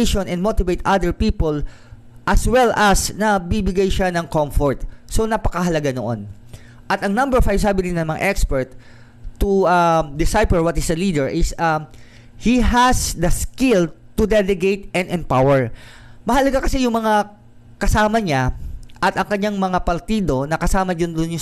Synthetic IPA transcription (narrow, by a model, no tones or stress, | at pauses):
ʃonɛ̃nmot̪ɪvejt̪ʔad̪ɛɹpiːpol | ʔɐswɛlʔɐsnɐbibɪɡajʃanɐŋkomfoɹt̪so̞nɐpɐkɐɦɐlɐɡano̰ʔo̰n | ʔɐt̪ɐŋnɐ̃mbɛɹɔfhajsaːbɪd̪ɪnːɐmɐŋa̰ʔɛkspɛɹt̪̚ː | uad̪ɪsajpɛɹwɐt̪ɪsd̪ɐlid̪ɛɹʔɪsɐ | hihɐsd̪ɐskɪlt̪ʊd̪ɛlɛɡejt̪ʔɐnʔɛmpawɛɹ | mɐɦɐlɐɡakɐsijʊŋmɐŋa | kɐsaːmɐɲaʔɐt̪ʔɐŋkɐɲːaŋmɐŋapɐɾt̪iːd̪o̞nɐkɐsaːmɐd͡ʒond̪onjʊŋ